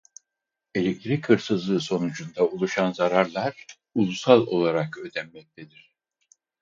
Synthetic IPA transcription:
e̞lʲɛk̚t̪ʰiɾikʰɯɾsɯzlˠɯːso̞nud͡ʒund̪aulˠuʃanzaɾaɾlˠaɾ̥ | ulˠusalˠo̞̰lˠaɾakø̞d̪ɛmːɛc̚t̪ʰed̪iɾ̥

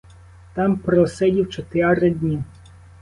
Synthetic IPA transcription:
t̪ɑmpɾɔsɛdʲiwt͡ʃɔt̪eɑɾɐdʲnʲi

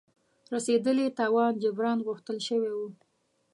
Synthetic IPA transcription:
ɾased̪əlet̪ɑwɑnd͡ʒabɾɑnɣʊxt̪əlʃəwewu

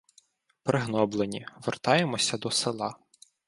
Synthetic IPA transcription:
pɾɪɦnɔblˠenʲiʋḛrt̪ɑjemɔsʲɐd̪ɔsɪlˠɑ̰

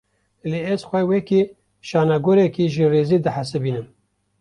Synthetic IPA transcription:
leːɛzxʷɛwɛki | ʃɑːnɑɡoɾɛkiʒireːzid̪ɨħasɨbiːnɨm

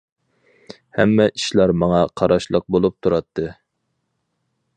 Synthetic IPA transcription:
hɛ̰mːɛʔiʃlˠɑɾmɑŋɑqʰɑɾʔɑʃlˠəq̚bolˠup̚t̪ʰuɾɑt̪ʰːɨ

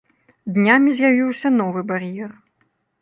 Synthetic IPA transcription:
d̪nʲamʲizʲjavʲiwsʲɐn̪ɔvɨbaɾjɛr

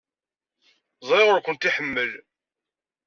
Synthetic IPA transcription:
zˤɾɪʁʊɾkʷənt̪iħəmːəl

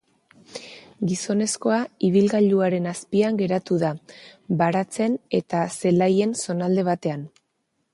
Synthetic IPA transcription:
ɡiso̞ne̞sko̞aiβilɣaʎuaɾe̞naspiaŋɡe̞ɾat̪uðabaɾat͡se̞ne̞t̪ase̞laje̞nso̞nald̪e̞βat̪e̞an

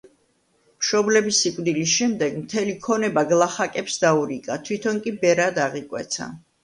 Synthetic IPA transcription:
mʃɔblɛbisikʼvd̪ilis̬ʃɛmd̪ɛɡmt̪ʰɛlikʰɔnɛbaɡlˠaχakʼɛpsd̪auɾikʼat̪ʰwit̪ʰɔnkʼibɛɾad̪aʁikʼwɛ̰t̪sʰa̰

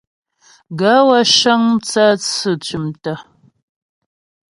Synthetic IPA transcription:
ɡɐwɐʃɐŋt͡sʰɐt͡ssɨt͡ʃʼɪmtʰɐ

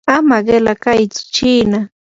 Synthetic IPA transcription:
amaɢɪlakajt͡sʊ̥t͡ʃiːna

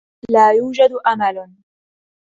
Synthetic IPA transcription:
laːjuːd͡ʒad̪ʔamal

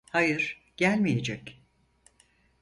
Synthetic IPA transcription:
hajɯɾ̥ | ɟ̥ælʲmije̞d͡ʒɛc

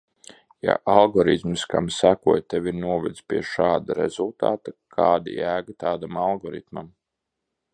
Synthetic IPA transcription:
ja̰ʔalˠɡɔɾit̪mska̰msækuɔjt̪evʲiɾnuɔvɛd̪spʲiɛʃaːd̪aɾḛz̥ulˠt̪a̰ːt̪akʰaːd̪ḭjæːɡat̪aːd̪amalˠɡɔɾḭt̪mam

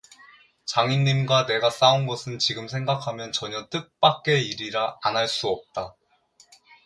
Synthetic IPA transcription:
t͡ɕaŋiɲːimɡwane̞ɡas͈aunɡʌsʰɯnt͡ɕiɡɯmsʰe̞ŋɡakʰamjʌnt͡ɕʌɲʌt͈ɯk̚p͈ak͈e̞iɾiɾaːnɦaɭs͈uʌp̚t͈a

